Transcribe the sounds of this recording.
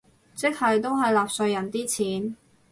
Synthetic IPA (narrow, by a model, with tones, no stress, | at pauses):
t͡sɪ˥k̚hɐ˨jt̪o˥wɦɐ˨jlaː˨p̚sɵ˧ɥjɐ˨˩nt̪iː˥t͡sʰiː˨˥n